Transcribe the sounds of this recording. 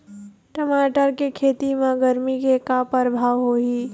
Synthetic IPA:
ʈəmaːʈəɾkekʰeːt̪imãɡəɾmikekapəɾbʱaːʋɦoːiː

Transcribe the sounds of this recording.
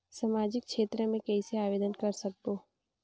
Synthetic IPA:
sɐmaːd͡ʒɪkʃeːt̪ɾəmẽkɛiseaːʋeːd̪ənkɐɾsɐk̚b̪oː

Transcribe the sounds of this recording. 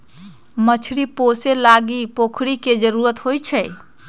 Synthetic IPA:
mət͡ʃʰɽiposelaɡipokʰɽiked͡ʒəɾuɾət̪ɦojt͡ʃʰɛj

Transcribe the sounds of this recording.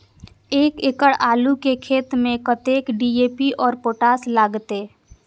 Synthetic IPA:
eːkɪkəɽaːlukekʰeːt̪mẽkət̪eːkɖiːeːpiʔɔːɾpoːʈaːslaːɡt̪e

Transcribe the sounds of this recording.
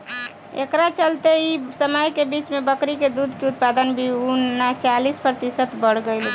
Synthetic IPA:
ḛkɾat͡ʃəlt̪eisəməjkebit͡ʃmebəkɾiked̪ud̪ʱkeut̪̚pad̪ənbʱiuat͡ʃalispɾət̪isət̪bəɽ̤ɡəɪl

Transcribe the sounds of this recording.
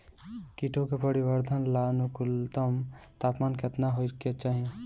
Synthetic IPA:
kiʈʰõkepəɾiʋəɾd̪ʱənlaːnukʊlt̪əmt̪aːpmaːnket̪naɦoiket͡ʃaːɦie

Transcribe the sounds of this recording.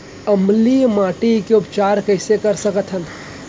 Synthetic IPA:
əmlimaːʈikeʊpt͡ʃaːɾkəɪsekəɾsəkət̪ʰɦən

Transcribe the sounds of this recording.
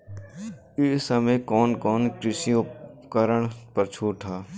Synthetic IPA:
ɪsəmejkɔːnkɔːnkɾɪsiʊkəɾəɽ̃pəɾt͡ʃʰoːʈʰaː

